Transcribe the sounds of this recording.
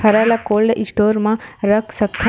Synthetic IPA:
hʰɐɾalakoːlɖʔisʈoːɾmãɾəkʰsɐkk̪ʰː

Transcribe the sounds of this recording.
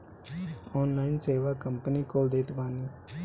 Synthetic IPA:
ɔːnlaːɪnseːʋaːkəmpəniːkoːld̪eːt̪baːniː

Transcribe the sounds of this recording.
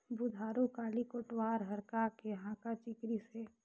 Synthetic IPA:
bud̪ʱaːɾukaːlikoʈwaːɾɦəɾkakeɦãːkat͡ʃɪkɾise

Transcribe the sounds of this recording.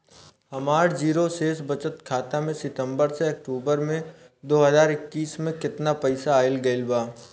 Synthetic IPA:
hɐmaːɾd͡ʒiːɾoseːsbɐt͡ʃət̪kʰaːt̪amẽsɪt̪ə̃mbəɾseɐk̚ʈuːbəɾmẽ | d̪oːɦəzaːɾɪkːiːsmẽkɪt̪napɐɪsaːɪlɡɐɪlbaː

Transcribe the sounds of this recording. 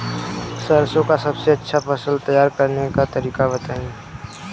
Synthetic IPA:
səɾsõkasɐbseɐtːʃʰapɐsəlt̪ɐjaːɾkɐɾnekat̪ɐɾiːkabɐt̪aːĩ

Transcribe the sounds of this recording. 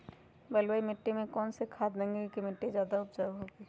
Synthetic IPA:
bəlwaimɪʈːimẽkɔːnsekʰaːd̪̚d̪ẽŋɡekimɪʈːizjaːd̪aʊp̚d͡ʒaːɦoːɡiː

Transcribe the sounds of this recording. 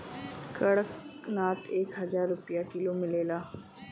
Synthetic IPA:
kɐɽəknaːt̪eːkɦɐzaːɾːʊpijakɪlomɪleːlaː

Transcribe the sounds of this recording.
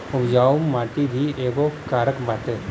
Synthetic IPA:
ʊbd͡ʒaːumːaːʈid̪ʱieːɡokaːɾəkbaːt̪e

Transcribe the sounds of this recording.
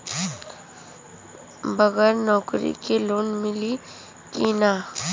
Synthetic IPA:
bəɣɛːɾnɔːkɾḭkeloːnmɪli | kina

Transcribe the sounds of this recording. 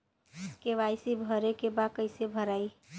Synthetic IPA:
keʋajsibʱəɾekebakəɪsebʱəɾai

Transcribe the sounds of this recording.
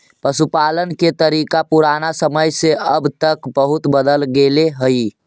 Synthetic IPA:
pəsupaːlənket̪əɾiːkapuɾaːnasəməjseʔəbt̪əkbəɦʊt̪bəd̪əlɡeleɦəi

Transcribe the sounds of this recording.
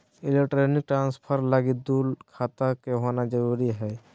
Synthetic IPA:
ɪlekʈɾenɪk̚ʈɾãːnspʰəɾlaɡid̪uːlkʰaːt̪akeɦonad͡ʒəɾuːɾiɦɛː

